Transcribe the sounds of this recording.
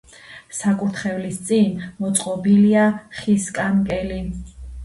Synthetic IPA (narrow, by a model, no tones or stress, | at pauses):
sakʼuɾt̪ʰχɛvlist̪sʼinmɔt̪sʼqʼɔbiliaχiskʼankʼɛli